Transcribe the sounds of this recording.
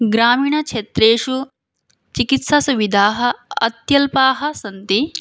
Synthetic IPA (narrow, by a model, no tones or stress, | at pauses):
ɡɾaːmiːɳɐkʃet̪ɾeːʃu | t͡ʃikit̪sasuʋid̪ʱaːɦɐ̆ɐ̰t̪jɐlpaːɦɐ̆sɐnt̪i